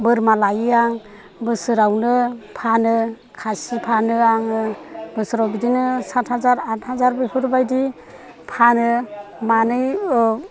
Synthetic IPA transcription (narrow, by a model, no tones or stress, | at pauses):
bɯɾmalajiaŋ | bɯsɯɾawnɯpʰanɯ | kʰasipʰanɯaŋɯbɯsɯɾawbidinɯsatʰhazaɾatʰhazaɾbepʰɯɾbajdi | pʰanɯmanɯj